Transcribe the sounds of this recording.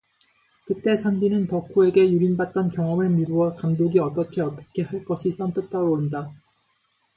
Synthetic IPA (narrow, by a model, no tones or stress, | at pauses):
kɯt͈e̞sʰanbinɯnpʌkʰoe̞ɡe̞juɾinbat̚t͈ʌnkjʌŋʌmɯɭmiɾuwʌkamdoɡiʌt͈ʌkʰe̞ʌt͈ʌ̥kʰe̞haɭk͈ʌɕʰis͈ʰʌnt͈ɯt̚t͈aɡooɭɯnda